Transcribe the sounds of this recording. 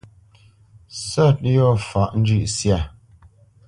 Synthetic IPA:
sɔ˦˨t̚jɔ˦˨fa˨ʔn̩˦d͡ʒʉ˦ʔsja˦˨

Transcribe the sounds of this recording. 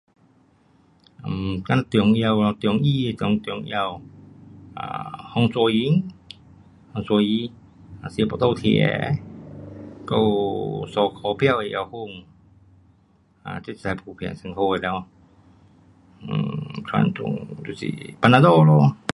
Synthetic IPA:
ʔa˧˨˩mka˧na˧t̪i˨˦ə˦ŋ˧ja˧wɔ˧t̪i˨˧˦ŋʔiː˧˨˧t̪i˨˧ŋt̪i˨˦ŋ˧a˧˨w | ʔa̰ː˧˩hɔ˧ŋsɔ˧ji˧˦ŋ | hɔ˧ŋsu˧ji˧˦ŋ | a˨si˧˦bɔ˧t̪o˧t̪ʰḭ˧˨ɛ̰˧˦ | ka˧˩˨wsɔː˧˩kʰɔː˨˦pʰɛ˧˨wi˧jʔa˧who˧˩˨ŋ | ʔa̰˧˨t͡ɕi˧˩sa˨˧jpʰuː˧˩pʰɛ˨˧˨nsa˧˦ŋkʰoː˧˨lɛː˧w | tʰa̰˧˨ntṵ˧˨ŋtu˧˨sḭ˧˨pa˧nːaː˧dɔː˧˩lɔ˧˩

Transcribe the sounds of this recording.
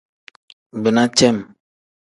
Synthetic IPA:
bə˨na˦t͡ʃɛ˦˨m

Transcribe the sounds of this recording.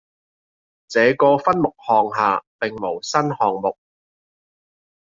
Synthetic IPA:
t͡sɛː˨˧kɔː˧fɐ˥nmʊ˨k̚hɔː˨ŋɦaː˨˩pɪ˨ŋmo˨˩wsɐ˥nhɔː˨ŋmʊ˨k̚

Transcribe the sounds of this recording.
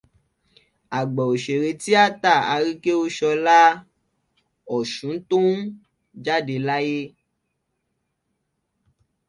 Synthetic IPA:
a˨ɡ͡bɔ˨o˨ʃe˨ɾe˧ti˦a˦ta˦˨a˧ɾi˦ke˦o˧ʃɔ˧la˦ | ɔ˨ʃũ˨˦tũ˦ | d͡ʒa˦de˧la˦je˦

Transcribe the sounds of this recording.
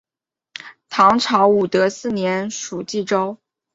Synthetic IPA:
t̪ʰɑ˧˥ŋʈ͡ʂʰɑ˧˥ʊu˨˩t̪ɤ˧˥sɹ̩˥˩njɛ˧˥nʂu˨˩t͡ɕi˥˩ʈ͡ʂo˥ʊ

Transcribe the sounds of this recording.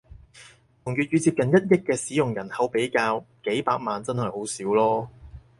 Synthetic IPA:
t̪ʰʊ˨˩ŋjy˨t̚jyː˨˧t͡siː˧p̚kɐ˨njɐ˥t̚jɪ˥kːɛː˧siː˨˥jʊ˨ŋjɐ˨˩nhɐ˨˧˥wpe˨˥jkaː˧wke˨˥jpaː˧k̚maː˨nt͡sɐ˥nhɐ˨jho˨˥wsiː˨˥wlɔː˥

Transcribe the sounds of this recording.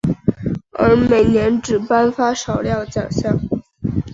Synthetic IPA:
ə̰˧˥me˨˩ɪnjɛ˧˥nʈ͡ʂɻ̩˨˩pa˥nfa˥ʂɑ˨˩ʊljɑ˥˩ʊt͡ɕjɑ̰˨˩ŋɕjɑ˥˩ŋ

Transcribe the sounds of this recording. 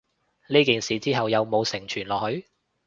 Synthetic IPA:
niː˥kiː˨nsiː˨t͡siː˥ɦɐ˨wjɐ˨˧wmo˨˧wsɪ˨˩ŋt͡ʃʰyː˨˩nlɔː˨hɵ˨˧ɥ

